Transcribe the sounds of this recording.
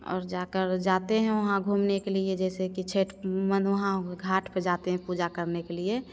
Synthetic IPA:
ɔ̰ːɾd͡ʒaːkəɾd͡ʒaːt̪eɦɛ̃ʋɐɦãɡʱuːmnekelied͡ʒɛːsekit͡ʃʰeːʈmə̃nʋɐɦãɡʱaːʈʰped͡ʒaːt̪eɦɛ̃puːd͡ʒakəɾnekelie

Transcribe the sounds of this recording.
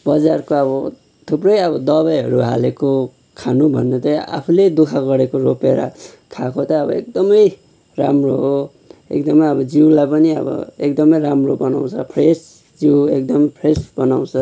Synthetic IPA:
bʌd͡zarkoʌbʌ | t̪ʰuprʌjʌβʌd̪ʌbajɦʌɾuɦa̰leko | kʰanubʱʌnːet̪ʌa̰pʰuled̪ukʰaɡʌɾekoropeɾa̰ | kʰakot̪ʌʌbʌ̰ek̚d̪ʌmʌj | ra̰mroɦo | ḛkd̪ʌmʌjʌbʌd͡ziwlajpʌniʌ̰bʌ̰ekd̪ʌmʌjɾamrobʌna̰w̃t͡sʰʌpʰres | d͡ziwekd̪ʌmʌjpʰresbʌnaw̃t͡sʰʌ

